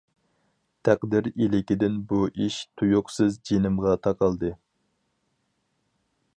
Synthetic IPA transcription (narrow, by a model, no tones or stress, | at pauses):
t̪ʰæqd̪ɪɾilɪkʲid̪ɪnbuʔiʃt̪ʰujʊqsɨzd͡ʒenɪmʁɑt̪ʰɑqʰɑlˠd̪ɨ